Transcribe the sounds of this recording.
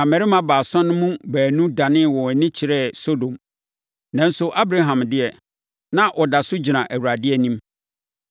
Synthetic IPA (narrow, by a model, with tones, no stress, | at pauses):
ã˨mæ˨ɾɪ˦mã˨baː˨sɔ̃˦nʊ̃˦mũ˦bæː˨nũ˦dã˨nɪ̃˦˨wɔ˨nɪ̃˦t͡ɕʰɪ˨ɾɛ˦so˦dõ˨m | nã˨n̩˦sʊ˨ʔa˦bɾa˦ɦã˨mdɪ˦ɛ˨ | nã˦ʔɔ˨da˨sʊ˦d͡ʑi˨nã˨ʔæ˨wu˨ɾa˨dɪ˦ɛ˦˨nĩ˦m